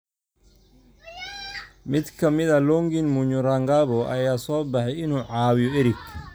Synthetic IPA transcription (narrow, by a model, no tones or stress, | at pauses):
mɪd̪kʰɐmɪðɐlɔŋɡinmʊɲʊɾaŋɡaːβɔʔɐ̰jaːsɔːbɐħɛjɪnuːʕɑːwɪjɔɛɾɪɡ